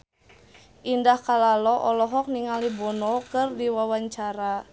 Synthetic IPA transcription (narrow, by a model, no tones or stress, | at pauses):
ʔindahkalalɔʔɔlɔɦɔk̚niŋalibɔnɔkɨrdiwawaɲt͡ʃaɾa